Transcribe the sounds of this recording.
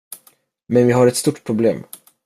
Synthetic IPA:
mɛnvɪɦaɾɛt̪st̪uʈpʰɾʊblḛːm

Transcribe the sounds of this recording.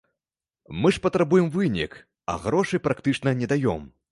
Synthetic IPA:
mɨʂpɐt̪ɾabujɛmvɨnʲḭk | ɐ̰ɣɾɔʂɨpɾakt̪ɨt͡ʂnɐnʲɛd̪ajɔ̰m

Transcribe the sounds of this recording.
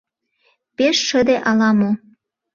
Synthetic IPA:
peʃːə̆d̪eʔɑlɑmo

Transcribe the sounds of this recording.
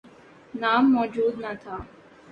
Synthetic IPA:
naːmːɔːd͡ʒuːd̪nat̪ʰaː

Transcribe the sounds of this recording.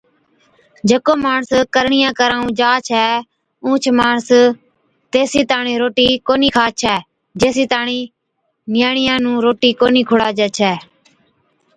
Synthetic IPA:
d͡ʒekoːmaːɳskəɾɳɪjãːkəɾaːũːd͡ʒaːt͡ʃʰɛː | ũːt͡ʃʰmaːɳs | t̪eːsiːt̪aːɳĩːɾoːʈiːkoːniːkʰaːt͡ʃʰɛː | d͡ʒeːsiːt̪aːɳiː | nɪjaːɳɪjãːnũːɾoːʈiːkoːniːkʰʊɽaːd͡ʒɛːt͡ʃʰɛː

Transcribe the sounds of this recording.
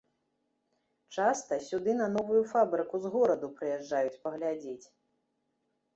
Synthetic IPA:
t͡ʂast̪ɐsʲud̪ɨn̪ɐn̪ɔvujufabɾɨkuzɣɔɾɐd̪upɾɨjɛʐːajut͡sʲpɐɣlʲad͡zʲet͡sʲ

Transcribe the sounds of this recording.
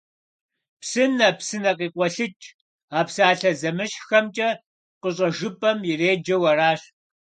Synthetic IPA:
psɨnɐpsɨnɐqiːqʷɔɬɨt͡ʃʼ | aːpsaːɬɐzɐmɨɕxɐmt͡ʃʼɐ | qəɕ̬ʼɐʒɨpʼɐmjɪreːd͡ʒɐwɐraːɕ

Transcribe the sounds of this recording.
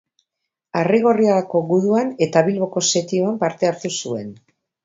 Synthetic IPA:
ariɣo̞riaɾako̞ɣuðuane̞t̪aβ̞ilβo̞ko̞se̞t̪ioampaɾt̪e̞aɾt̪usue̞n

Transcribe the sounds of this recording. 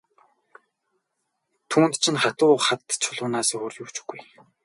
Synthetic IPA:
t̪ʰuːnt̪t͡ɕʰɪ̆nχat̪ʊːχat̪t͡ɕʰʊɮʊːnaːsxoːrjuwt͡ɕɡuj

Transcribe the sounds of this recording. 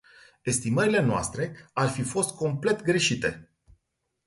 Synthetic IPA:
e̞st̪iməɾile̞noa̰st̪ɾe̞arfifo̞st̪̚kʰo̞mple̞t̪ɡɾe̞ʃit̪e̞̰

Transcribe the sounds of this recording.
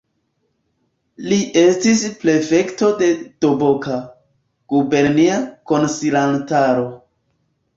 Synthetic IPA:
liʔe̞stispɾe̞fe̞kto̞de̞to̞bo̞ka | ɡ̥ube̞ɾniako̞nsilantaɾo̞

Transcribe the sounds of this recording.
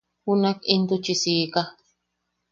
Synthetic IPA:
hunakint̪ut͡ʃisiːka

